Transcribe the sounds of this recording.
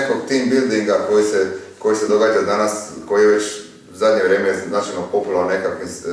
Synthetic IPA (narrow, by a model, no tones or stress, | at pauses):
ekoɡt̪iːmbild̪iŋɡakojiseko̞jised̪oɡaːd͡ʒad̪anasko̞jijeʋet͡ʃ | uzad̪ɲeʋɾeːmejenaːt͡ʃajnopopulannekakʋims